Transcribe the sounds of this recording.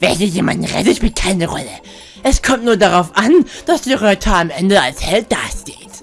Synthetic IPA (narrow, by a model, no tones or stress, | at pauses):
vɛnzijeːma̰ndn̩ʁɛ̰təʃpiːlt̚kʰaɪnəʁɔ̰lə | ʔɛskʰɔmtnuːɐdaʁaʊfʔand̥asd̥iːʁœʏtʰaamʔɛndəalshɛlt̚d̥a̰ːʃteːt